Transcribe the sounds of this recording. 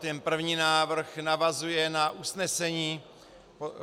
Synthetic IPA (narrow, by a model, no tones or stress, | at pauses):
t̪ɛnpr̩vɲiːnaːvr̩xnavazujɛnaʔusnɛsɛɲiː